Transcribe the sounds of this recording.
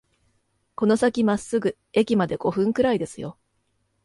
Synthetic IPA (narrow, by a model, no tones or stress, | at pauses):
ko̞no̞sakʲimasɨɡɯ̟ | e̞kʲimad̪e̞ɡ̥o̞ɸɯ̟̃ŋkɯ̟ɾaid̪e̞sɨjo̞̰